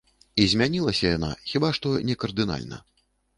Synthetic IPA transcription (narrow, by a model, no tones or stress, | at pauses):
izʲmʲanʲilˠɐsʲɐjana̰xʲibaʂt̪ɔnʲɛkɐrd̪ɨna̰lʲnɐ̰